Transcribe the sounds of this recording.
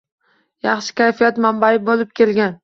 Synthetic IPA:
jɑχʃɪ̥kʲajfijat̪mambaɪbolɪp̚kʲʰe̞lɡʲan

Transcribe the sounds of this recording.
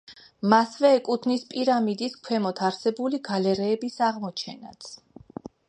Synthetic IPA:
masvɛːkʼut̪ʰnispʼiɾamid̪iskʰwɛmɔt̪ʰaɾsɛbuliɡalɛɾɛːbisaʁmɔt͡ʃʰɛna̰t̪sʰ

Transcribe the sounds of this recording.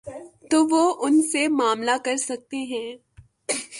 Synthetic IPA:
t̪oːʋoʔʊnsemaːmlakɐɾsɐk̚t̪eɦɛ̃ː

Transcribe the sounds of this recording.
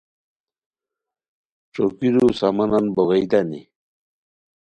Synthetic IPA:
ʈ͡ʂokiɾusamananboɣejd̪anḭ

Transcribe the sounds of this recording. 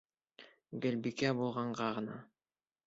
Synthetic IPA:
ɡɘ̆lbikæbulˠʁɑɴɢɑʁɤ̆nɑ

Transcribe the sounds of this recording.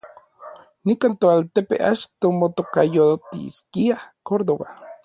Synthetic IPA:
nikaːnt̪oalt̪epḛʔa̰t͡ʃt̪omot̪okajot̪ḭskiahkoɾd̪oβa̰

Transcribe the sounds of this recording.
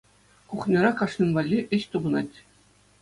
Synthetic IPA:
kuχnʲɤ̆ɾɑkɑʂnʲɤ̆mʋɑlʲːiʔɘ̆ɕt̪ubɤ̆nɑtʲ

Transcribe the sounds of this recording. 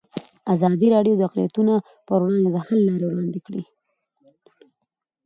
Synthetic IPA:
azɑd̪iɾɑɖijod̪əaqlḭjat̪uno | pəɾwɽɑnd̪ed̪əhalːɑɾewɽɑnd̪ekɽḭ

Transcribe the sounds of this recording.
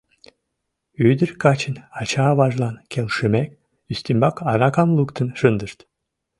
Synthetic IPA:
yjd̪iɾkʰat͡ʃʰɯnɑt͡ʃʰaːvaʒlˠankʰʲɛlʲˠʃymɛkʲ | yst̪ʰimbakʰaɾakʰamlˠukt̪ʰɯnʃɯnd̪ɯɾt̪

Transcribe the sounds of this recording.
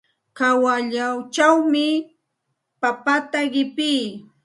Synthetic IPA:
kawaʎawt͡ʃawmɪ | papat̪aɢɪpɪː

